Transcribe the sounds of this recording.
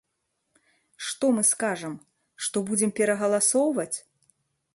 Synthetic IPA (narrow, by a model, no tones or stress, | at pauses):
ʂt̪ɔmɨskaʐɐm | ʂt̪ɔbud͡zʲɛmpʲɛɾɐɣɐlˠasɔwvɐt͡sʲ